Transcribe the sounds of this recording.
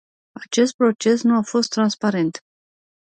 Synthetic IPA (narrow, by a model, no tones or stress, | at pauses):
at͡ʃe̞st̪̚pɾo̞t͡ʃe̞snuafo̞st̪ːɾanspaɾe̞nt̪